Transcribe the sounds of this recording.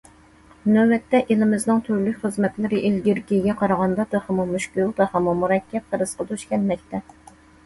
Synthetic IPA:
nøwɛt̪ːɛʔelɪmɪznɨŋt̪ʰøɾlykʲχəzmɛt̪lɪɾɨʔilɡʲiɾɡʲiɡʲɛqʰɑɾɑʁɑnd̪ɑd̪ɨhɛmumyʃkʲylˠd̪ɨhɛmumuɾɛkʲʰːɛp̚χəɾɨsqɑd̪yʃkʲɛnmɛk̚ʲt̪ɛ

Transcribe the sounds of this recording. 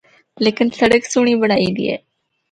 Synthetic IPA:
leːkɪnsəɽəksʊɳ̃iːbəɽaːiːd̪ḭːḛː

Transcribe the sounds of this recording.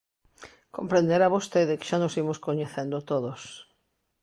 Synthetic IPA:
kõmpɾẽnd̪eɾaβost̪eðeke̥ʃanosimoskoɲeθend̪ot̪oðos

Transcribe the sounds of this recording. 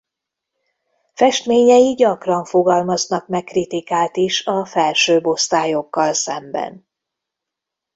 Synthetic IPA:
fɛʃt̪meːɲɛjiɟɒkrɒɱfo̞ɡɒlmɒznɒkmɛkːrit̪ikaːlt̪iʃɒfɛlʃøːbo̞st̪aːjo̞kːɒlsɛmbɛ̰n

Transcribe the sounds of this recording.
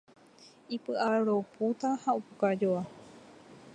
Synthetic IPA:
ipɨʔaaɾoput̪ahaupukad͡ʒoa

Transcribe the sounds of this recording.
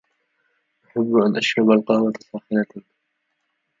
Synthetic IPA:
ʔaħabːʔanʔaʃɾˤɑbalqɑːwat̪sˤːɑːxɪna

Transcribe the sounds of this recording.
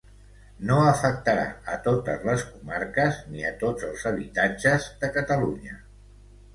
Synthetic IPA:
noəfək̚t̪əɾa̰ət̪ot̪əzləskumaɾkəzniət̪od͡zəlˠzəβ̞it̪ad͡ʒəzðəkət̪əluɲə

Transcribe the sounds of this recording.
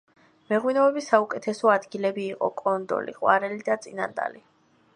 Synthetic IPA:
mɛʁwinɛɛbisaukʼɛt̪ʰɛsɔad̪ɡilɛbiːqʼɔkʼɔnd̪ɔ̰lḭqʼwa̰ɾɛlid̪at̪sʼina̰nd̪a̰li

